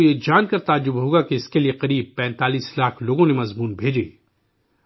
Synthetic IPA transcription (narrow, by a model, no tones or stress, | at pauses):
jed͡ʒaːnkɐɾt̪aːd͡ʒʊbɦoːɡakeɪskelieqɐɾiːb̚pɛ̃ːnt̪aːliːslaːkʰloːɡõnemɐzmuːnbʱeːd͡ʒḛː